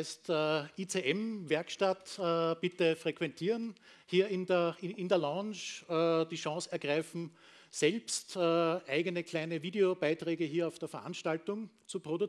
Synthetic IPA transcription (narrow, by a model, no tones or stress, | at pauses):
ɪstːʔit͡seʔɛmvɛɐkʃtatːb̥ɪtəfʁ̥ekv̥ɛntʰiːʁən | hiːɐɪndəɐɪɪndeːɐlɑ̃ːnʃːd̥iːʃɑ̃ːsɛɐɡʁaɪfm̩ | sɛlpstːʔæɪɡənəkʰl̥æɪnəviːdeob̥aɪtʁɛːɡəɦiːɐaʊfd̥eːɐfɐʔa̰nʃtaltʊŋt͡supʁ̥odʊ